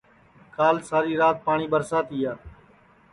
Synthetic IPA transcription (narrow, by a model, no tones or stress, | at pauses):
kaːlsaːɾiːɾaːt̪̚paːɳ̃iːbəɾsaːt̪iːjaː